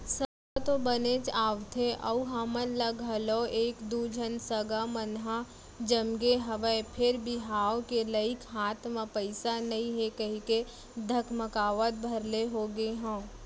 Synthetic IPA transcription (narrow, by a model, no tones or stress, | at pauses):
səɡat̪obənet͡ʃaːʋt̪ʰeʔɐ̰uɦamənləɡɦəloeːkd̪ud͡ʒʱənsəɡamənɦa | d͡ʒəmɡeɦɐʋəpʰɪɾbɪɦaːokeləikɦaːt̪ʰmãpəɪsanɐɦĩɦekɐɦik̪e | d̪ʱəkʰməkaːʋət̪̚bʱɐɾleɦoːɡeɦõː